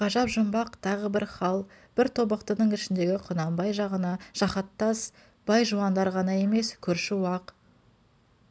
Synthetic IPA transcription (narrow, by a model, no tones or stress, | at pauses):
qɑʒɑpʒəmbɑqt̪ʰɑʁəbɪɾχɑlˠ | b̥ɪɾt̪ʰo̞bəqt̪ənəɴɪʃɪnd̪e̞ɡʲɪqʰʊnɑmbɑjʒɑʁənɑʒ̥ɑχɑt̪ːɑs | b̥ɑjʒuɑnd̪ɑɾʁɑnɑje̞me̞skʲʰɵɾʃɪuɑq